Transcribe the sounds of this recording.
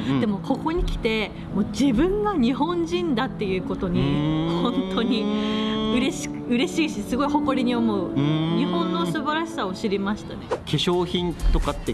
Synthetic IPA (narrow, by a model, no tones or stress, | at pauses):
d̪̥e̞mo̞kʰo̞ko̞ɲ̟ikʲi̥t̪e̞ | moːd͡ʑibɯ̟̃ŋɡaɲ̟iɦõ̞ɲd͡ʑĩnd̪at̪ːe̞jɯ̟ːko̞t̪o̞ɲ̟ihõ̞nt̪ʰo̞ɲ̟i | ɯ̟ɾe̞ɕi̥kɯɯ̟ɾe̞ɕiːɕisɨɡo̞iho̞ko̞ɾʲiɲ̟io̞mo̞ɯ̟ɲiɦõ̞nːo̞sɨbaɾaɕi̥saoɕiɾʲimaɕi̥t̪ane̞kʰe̞ɕo̞ːçĩnt̪o̞kat̪ːe